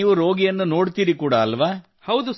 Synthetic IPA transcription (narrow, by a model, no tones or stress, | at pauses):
iːʋuɾo̞ːɡijɐnːuno̞ːɽt̪iːɾikuːɽaːlʋaː | hɐwd̪u